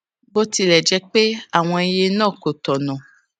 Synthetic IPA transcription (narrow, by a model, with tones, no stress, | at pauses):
bo˦ti˧lɛ˨d͡ʒɛ˧k͡pe˦a˦˨w̃ɔ̃˧i˧je˧nãː˦˨ko˨tɔ˨nã˨